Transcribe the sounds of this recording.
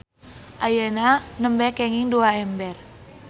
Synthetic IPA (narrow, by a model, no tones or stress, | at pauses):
ʔajananəmbɛkɛŋiŋduaɛmbɛr